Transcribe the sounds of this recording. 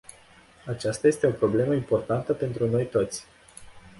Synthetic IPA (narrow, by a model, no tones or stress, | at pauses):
at͡ʃast̪aje̞st̪e̞o̞pɾo̞ble̞məimpo̞rt̪ant̪əpe̞nt̪ɾuno̞jt̪o̞t̪sʲ